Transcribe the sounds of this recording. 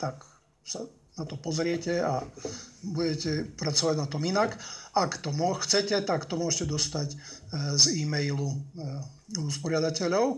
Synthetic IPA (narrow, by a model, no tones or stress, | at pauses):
t̪ak | sa | nat̪ɔpɔzɾɪɛcɛa | buɟɛcɛpɾat͡sɔʋaɟnat̪ɔminakakt̪ɔmɔxt͡sɛcɛt̪akt̪ɔmʊɔʒɛcɛd̪ɔst̪acziːmɛjlu | uspɔɾɪad̪acɛʎɔʊ